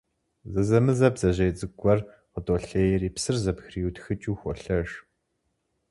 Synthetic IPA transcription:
zɐzɐmɨzɐbzɐʑejt͡sʼɨɡʷʼɔr | qətʼɔɬejriːpsɨrzɐpxriːutxɨt͡ʃʼuːxʷɔɬɐʒ

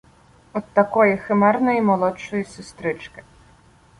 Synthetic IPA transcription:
ɔt̪ːɐkɔjixɪmɛrnɔjimɔlˠɔt͡ʃːɔjisʊst̪ɾɪt͡ʃkɪ̥

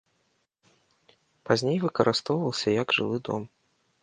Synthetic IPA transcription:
pazʲnʲejvɨkɐɾʔɨst̪ɔwvɐlˠsʲɐjɐɡʐɨ̰lˠɨd̪ɔ̰m

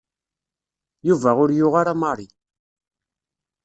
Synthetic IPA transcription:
juvæʁʊɾjʊʁaɾamɑɾˤi

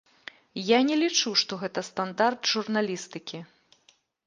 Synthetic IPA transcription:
janʲɛlʲit͡ʂuʂt̪ɔɣɛt̪ɐst̪and̪art̪ʐurnalʲist̪ɨkʲi

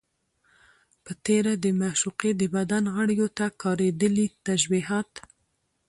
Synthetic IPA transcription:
pət̪eɾad̪əmaʃuqed̪əbad̪anɣəɽjot̪akɑɾed̪əlit̪aʃbiɦɑt̪

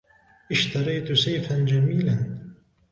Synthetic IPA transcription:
ʔɪʃt̪ɑɾˤɑjt̪sajfand͡ʒamiːlan

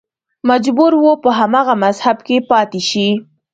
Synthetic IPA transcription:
mad͡ʒbuɾwopəɦamɑɣamazhabkepɑt̪eʃi

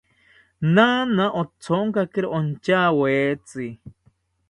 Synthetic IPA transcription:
nanãʔot͡sʰoŋkakeɾeʔont͡ʃaːweːt͡si

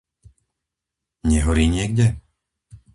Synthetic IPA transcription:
ɲɛɦɔɾiːɲɪɛɡɟɛ

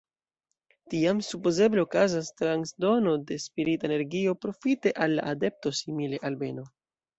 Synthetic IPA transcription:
tiamsupo̞ze̞ble̞okazastɾansdo̞no̞de̞spiɾitaene̞ɾɡio̞pɾo̞fite̞ʔalːa̰ʔade̞p̚to̞simile̞ʔalbe̞no̞

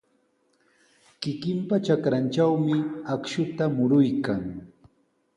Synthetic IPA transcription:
kɪkɪmpat͡ʃakɾant͡ʃawmɪakʃʊt̪amʊɾʊjkaŋ

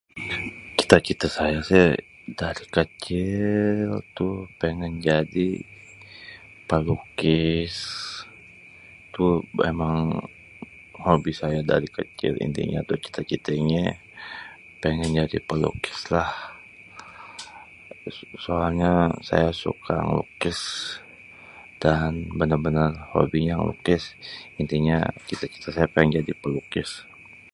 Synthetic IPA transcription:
t͡ʃi̥t̪at͡ʃit̪əsajasɪh | daɾikət͡ʃɪlt̪upəŋənd͡ʒadi | pəlukɪs | t̪uḛmaŋ | hobisajada̰ɾikət͡ʃɪ̰lḭnd̪ḭŋa̰t̪ot͡ʃi̥t̪at͡ʃit̪əɲɛ | peŋɛnd͡ʒadḭpəlṵkɪ̥slah | soalɲasa̰jasṵkʰa̰ŋlṵkɪs | d̥anbənərbənərho̰biɲaŋlṵkɪsint̪iɲa̰t͡ʃit̪at͡ʃi̥t̪asajapaɛŋd͡ʒadipəlukɪs

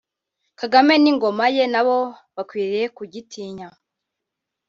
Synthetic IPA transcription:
kaɡame̞niŋɡo̞maje̞naβo | βakwiːɾijekuɟitʰiːɲa

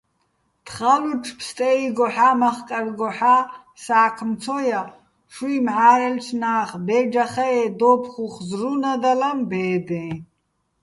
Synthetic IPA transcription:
t̪ʰχaluʈ͡ʂʰpʰst̪ʼɛiɡɔħaːmaχkʼarɡɔħa | saːkʰmt͡sʰɔja | ʃwimʕaːɾɛlt͡ʃʰnaːχbɛd͡ʒaχaɛd̪ɔpʰχuχzrunad̪alambɛːd̪ɛ̃

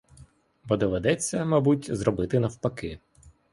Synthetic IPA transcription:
bɔd̪ɔʋed̪ɛt͡sʲːɐmɐbutʲzɾɔbɪt̪ɪnɐwpɐkɪ

